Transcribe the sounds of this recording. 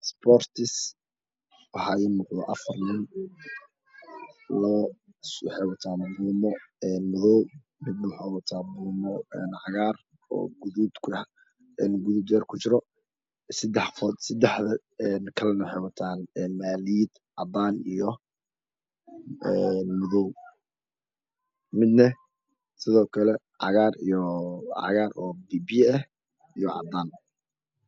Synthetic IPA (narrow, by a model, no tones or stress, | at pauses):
spɔrt̪ʰɪs | wɑħɑjɪmʊqðɔ̰ʔɐfɐrnɪn | lɔː | wħɛjwɐt̪ʰaːnbuːmɔɛːnmʊðɔw | mɪd̪nɐwʊħawɑt̪ʰaːbuːmɔɛnhɑɣaːr | ɔ̰ːɡʊðud̪kʰ | ɛnɡʊðʊbd̪ɛːrkʰʊt͡ʃɪɾɔ | sɐd̪ɛħfɔd̪sɐd̪ɛħðɐ | ɛnkʰɐlɛnɐwħejwɐt̪ʰaːnɛnmaːliid̪̥ | ʕɑd̪aːnijɔ | ɛnmʊðɔw | mɪd̪nɐ | sɪðɔːkʰɐlɛ | ʕɑ̰ɣaːrijɔʕɑ̰ɣaːrɔːbiːbjɛɛh | ijɔʕɑ̰d̪aːn